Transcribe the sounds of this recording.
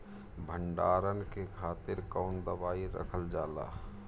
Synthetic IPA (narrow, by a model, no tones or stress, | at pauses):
bʱəɳɖaːɾənkekʰaːt̪ɪɾkaːnd̪əbaːiɾə̰kʰəld͡ʒaːla̰ː